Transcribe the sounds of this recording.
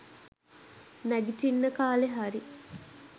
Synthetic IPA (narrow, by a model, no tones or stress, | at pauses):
næɡiʈinːəkaːleɦaɾi